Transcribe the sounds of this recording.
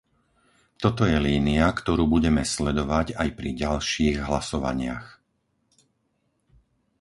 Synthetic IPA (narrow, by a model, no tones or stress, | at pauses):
t̪ɔt̪ɔjɛliːniakt̪ɔɾuːbuɟɛmɛslɛd̪ɔʋaɟajpɾiɟalʃiːɣɦlasɔʋa̰ɲɪa̰x